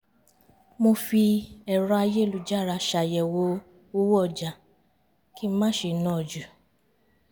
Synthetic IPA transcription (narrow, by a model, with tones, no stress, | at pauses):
mo˧fi˧ɛ˨ɾ̃ɔ˧a˧je˦˨lu˧˨d͡ʒa˦˨ɾa˧ʃa˨jɛ˨wo˧˦ | o˦wɔ˦˨d͡ʒa˨ | ki˦mã˦ʃe˧˨˦nãː˦˨d͡ʒu˨